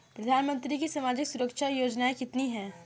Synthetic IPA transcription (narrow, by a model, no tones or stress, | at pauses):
pɾəd̪ʱaːnmə̃nt̪ɾikisɐmaːd͡ʒɪksʊɾəkʃajoːd͡ʒnaekɪt̪niɦɛ̃ː